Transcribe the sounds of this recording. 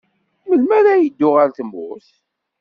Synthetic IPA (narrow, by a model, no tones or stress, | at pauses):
məlmæɾæjəd̪ːʊʁaɾθəmʊ̰θ